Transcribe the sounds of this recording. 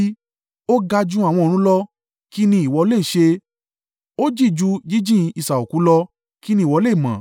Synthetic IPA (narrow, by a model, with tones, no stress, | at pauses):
o˦ɡa˧d͡ʒũ˦a˨w̃ɔ̃˧ɾ̃ũ˦lɔ˧ | ki˦nĩ˧i˨wɔ˧˦le˦˨ʃe˧ | o˦d͡ʒi˦˨d͡ʒu˦d͡ʒi˦d͡ʒĩ˦˧i˧˨sa˨o˨kũ˨˦lɔ˧ | ki˦nĩ˦˨wɔ˨˧˦le˦˨mã̰˨